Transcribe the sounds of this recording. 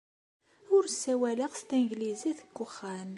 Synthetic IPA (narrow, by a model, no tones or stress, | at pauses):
ʊɾsːæwæləʁst̪inɡliziθəɡːʊχːæn